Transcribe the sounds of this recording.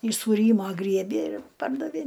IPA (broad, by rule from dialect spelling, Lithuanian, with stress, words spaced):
ɪʃ suːˈrʲiːmoː ˈɡrʲiɛbʲeː ɪr ˈpɐrdɐʋʲeː